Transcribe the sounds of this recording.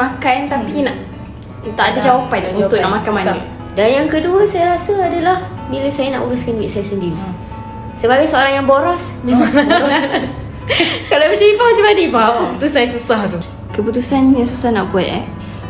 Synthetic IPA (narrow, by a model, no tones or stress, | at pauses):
makant̪apinaʔ | t̪aʔadad͡ʒawapajt̪uunt̪ʊʔnaʔmakkamani | danjaŋkəduəsajaɾasəadalah | miləsajanaʔuɾʊskanwiʔsajasəndiɾi | səbaɡajsoaɾaŋjaŋboɾɔs | memaŋaɾɔ | kalomət͡ʃaifamat͡ʃamadipahapəəput̪usansusaht̪u | kəput̪usanɲəsusahnaʔɡuɛ̰t̪̚a̰